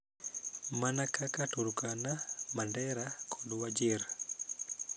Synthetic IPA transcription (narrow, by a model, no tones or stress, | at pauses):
manakakatuɾukanamandɛɾakʰɔɗuwad͡ʒiɾa